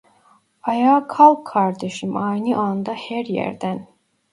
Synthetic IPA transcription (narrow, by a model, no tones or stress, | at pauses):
ɑjɑːkʰɑlˠkʰːɑɾd̪eʃɯmɑjnɯʔɑnd̪ɑhæɾjæ̰ɾd̪æn